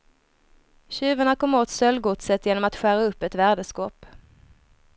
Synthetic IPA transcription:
ɕʉ̟ːvəɳakʰɔmːoːt̪sœlːɡʊt̪sət̪jeːnɔmat̪ɧæːɾaɵpːɛt̪væːɖəskɔːp

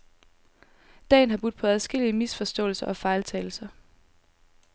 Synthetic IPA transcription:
d̥ɛ̰ːn̩ɦɑ̈b̥ud̥̚ˠpʰɒ̽æð̞ˠsɡ̥e̝l̰iəmisfɒ̽sd̥ɔ̰̽ːlsɐʔɒ̽fɑ̈ɪlt͡sʰɛːl̩sɐ

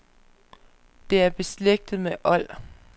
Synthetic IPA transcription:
d̥e̝æɐb̥e̝sleɡ̥̚d̥ð̩ˠmeʔɒ̽l̰

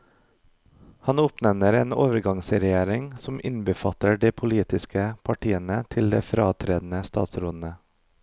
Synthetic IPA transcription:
hɑnʊpnɛmnəɾeːnoːʋəɾɡɑŋsɾɛjeːɾɪŋsɔmʔɪnbəfɑt̪əɖeːpʰʊliːt̪ɪskəpʰɑʈiːənət̪ʰɪld̪eːfɾɑːt̪ʰɾeːd̪n̩əst̪ɑ̰ːt̪sɾʊnnə

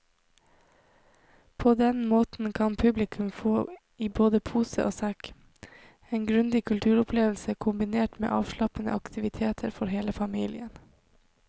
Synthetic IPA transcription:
pʰoːd̪ɛnmoːt̪n̩kʰɑnpʰʉblɪkʰʉmfoː | iːboːd̪əpʰuːsə̰ʔo̰ːsæk | eːnɡɾʉnd̪ɪkʰʉlt̪ʰʉːɾʊpʰleːʋl̩səkʰʊmbɪneːʈmḛːʔɑːʋʃlɑpənə̰ʔɑkt̪ʰɪʋɪt̪ʰeːt̪ʰəɾfɔɾɦeːləfɑmiːlɪ̰ən

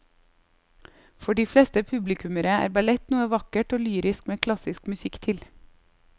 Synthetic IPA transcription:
fɔɖiːflɛːst̪əpʰʉblɪkʰʉməɾəæ̰ːɾbɑlɛt̪nuːəʋɑkəʈoːlyːɾɪskmeːkʰlɑsɪskmʉsɪkt̪ʰɪl

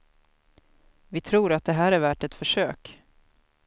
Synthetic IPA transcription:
vɪt̪ʰɾuːɾat̪̚d̪ɛɦæːɾæɾvæːʈɛt̪fœʂøːk

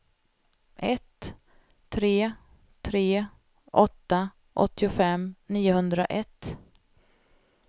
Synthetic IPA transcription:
ʔɛt̪ʰː | ɾeː | t̪ʰɾeː | ʔɔt̪ːa | ʔɔ̰t̪ːɪʊfɛmːniːʊɦɵnd̪ɾaʔɛt̪ː

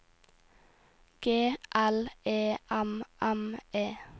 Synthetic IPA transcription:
ɡ̥eːʔæleːʔæmʔæmʔeː

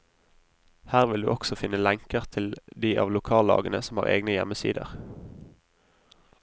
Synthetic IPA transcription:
hæːʁʋɪld̪ʉ̰ːʔɔksɔfɪnːəlɛŋkəʁt̪ʰɪld̪iːʔɑ̰ːʋlʊkʰɑːld̪ɑ̰ːɡənəsɔmɑ̰ːʁḛːɡnəjɛ̰məsḭːd̪ə̰ʁ

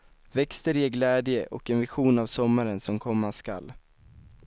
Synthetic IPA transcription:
vɛkst̪əɾjeɡlɛːd̪jəʔɔkɛnvɪɧuːnavsɔmːaɾənsɔmkʰɔmːaska̰l

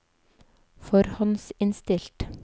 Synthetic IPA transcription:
fɔɾhɑnsɪnst̪ɪlt̪

